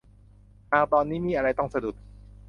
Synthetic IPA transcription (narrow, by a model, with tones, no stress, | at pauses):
naː˨˩wt̪ɔː˧nːiː˦˥miː˧˨ʔa˧ɾa˧jt̪ɔ˥˩ŋsa˧du˨˩t̪̚